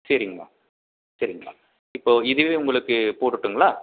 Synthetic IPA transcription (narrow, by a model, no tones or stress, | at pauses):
sɐɾɪŋɡɐɭa̰ː | sɐɾɪŋɡɐla̰ː | ɪpːoːɪðɯʋeːʊŋɡɐɭɯkːɯpoːʈːɯʈːɯŋɡɐlaː